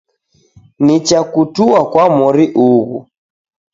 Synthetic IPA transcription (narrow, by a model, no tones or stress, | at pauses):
nit͡ʃakutuakwamɔɾiʔuɣṵ